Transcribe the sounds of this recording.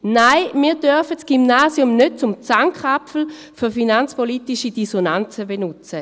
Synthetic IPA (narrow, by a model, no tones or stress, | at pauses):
naɪmiːɐdœɐfətsɡ̥imnaːsjʊmnøt̚t͡sʊmt͡saŋkχapfl̩ | fyʁfinant͡spolitiʃidisonant͡səbenʊt͡sə